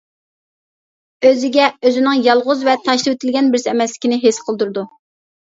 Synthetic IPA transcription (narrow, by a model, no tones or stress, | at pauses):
øzɪɡʲɛøzɪnɪŋjɑlˠʁʊzvɛt̪ʰɑʃlˠɨwet̪ʰɪlɡʲɛnbɪɾsɪɛmɛslɪ̥kʲinɪɦesqʰəlˠd̪uɾɨd̪u